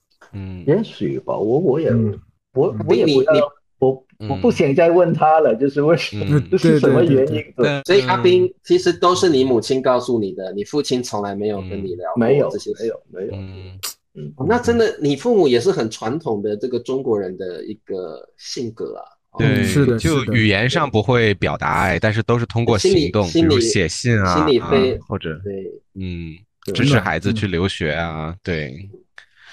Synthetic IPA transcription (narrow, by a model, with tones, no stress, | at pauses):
jɛ˧˥nɕy̰˨˩ba̰˦wɔ˧˦˥wɔ˧˥jɛ˨˩ | wɔ˧˥a˥wɔ˧˦i˥jŋɛ˨ni˨˩˥ni˨˩ | wɔ˨˩ | wɔ˨˩pu˥˩ɕjɑ˨˩ŋt͡sa˥˧ɪwə˥˩nt̪ʰa˥lə˨t͡ɕjo˥˧ʊʂ̬ɻ̩˥˧we˥˩ɪʂə˧˦m˧˦o˥˧ʂɻ̩˥ʂə˧˦mə˧ɥɛ˧˥ni˥nt̪we˥e˥˩ɪswɔ˧˥i˨˩ʔa˥pi˥ŋt͡ɕʰi˧˥ʂɻ̩˧˥t̪o˥ʊʂɻ̩˥˩ni˧˥mu˨˩t͡ɕʰi˥nkɑ˥˧ʊsu˥˩ni˨˩d̪ə˦ni˨˩fu˥˩t͡ɕʰi˥nt͡sʰʊ˧˥ŋla˧˥ɪme˧ɪjo˨˩ʊkə˥nni˨˩ljɑ̰˧˥ʊme˨˧˥ɪjo˨˦ɤ˥˩ɕjɛ˥e˧˦˥ɪjo˨˩ʊme˧˥ɪjo̰˨˩ʊ˥ | n̩˥˩˧na˥˩ʈ͡ʂə˥nd̪ə˨ni˨˩fu˥˩mu˨˩jɛ˨˩ʂ̬ɻ̩˥˩xə˨˩nʈ͡ʂʰwa˧˥nt̪ʰʊ˨˩ŋd̪ə˧ʈ͡ʂɤ˥˩ɡə˩ʈ͡ʂʊ˥ŋkwɔ˧˥ɻə˧˥nd̪ə̰˧ḭ˧˥ɡ̥ə̰˧ɕi˥˩ŋkɤ̰˧˥ɐ̰˩˧t̪we˥˩ɪʂ̩˥t͡ɕjo˥˧˩ʊ˥ʊy˨˩jɛ˧˥nʂɑ˥˩ŋpu˧˥xwe˥˩ɪpjɑ˨˩ʊt̪a̰˧˥a̰˥˩ɪt̪a˥˧nʂɻ̩˥˩t̪o˥ʊʂɻ̩˥˩t̪ʰʊ˥ŋkwɔ˥˩ɕi˥in˧li˨˩ŋt̪ʊ˥˩ŋi˥li˨˥ɕjɛ˨˩ɕi˥˩nai˥li˨˩fe˥˩ɪxwɔ˥˩ʈ͡ʂə˨˩e˥˩ɪn̩˥˩ | ʈ͡ʂɻ̩˥ɻ̩˥˧xa̰˧˥ɪd͡zɹ̩˧t͡ɕʰy˥˩ljo˧˥ʊɕɥɛ˧˥ɐ˧t̪we˥˩ɪ